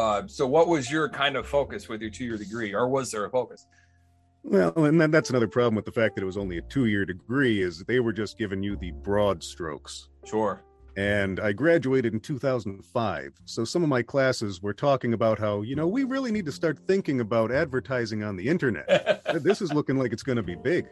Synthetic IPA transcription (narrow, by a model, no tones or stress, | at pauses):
soʊwʌt̚wʌzjə˞kʰãɪ̃ndʌv̥foʊkɨs̚wɨðjə˞tʰʉjɪɹdɨɡɹiə˞wʌzðə˞ɨfoʊkɨs | wɛlˠɨ̃nðɨtðætsənʌðə˞pʰɹ̥ɑblˠə̃mwəðəfæk̚ðɨɾɨt̚wʌzõʊ̃nliɨtʰʉjɪɹdɨɡɹiɪzðeɪwə˞d͡ʒʌsɡ̥ɪvɨ̃njɨðɨbɹɔdstɹ̥o̰ʊksʃʊɹ | ɨ̃naɪɡɹæd͡ʒʉeɪɾɨɾn̩tʰʉθaʊzn̩dnfaɪv̥soʊsʌ̃mʌvmaɪkʰl̥æsɨzwə˞tʰɔkɪ̃ŋɨbaʊt̚ɦaʊjɨñoʊwiɹɪlˠinid̚tʰɨstɑɹt̪̚θɪ̃ŋkɪ̃ŋɨbaʊɾædvə˞tʰaɪzɪ̃ŋə̃nðiɪ̃ntə˞nɛ̰t̚ðɪsɨzlʊkɪ̃ŋlaɪkɨtsɡ̥ʌnɨbibɪɡ̥